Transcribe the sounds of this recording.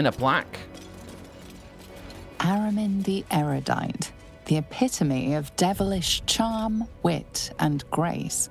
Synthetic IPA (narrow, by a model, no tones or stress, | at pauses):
ɨ̃nəblak | ʔaɹəmɪ̃nðiʔɛɹəda̰ɪʔ | ðiəpʰɪtʰəmiəvdɛvəlɪʃt͡ʃʰɑːmwɪ̰tə̃nɡ̥ɹḛɪs